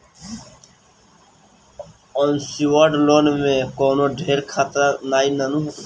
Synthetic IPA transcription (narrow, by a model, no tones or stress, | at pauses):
ɔnsiwaːɖloːnmẽkoːnoːɖʱeːɾkʰaːt̪ɾanaːinɐnũ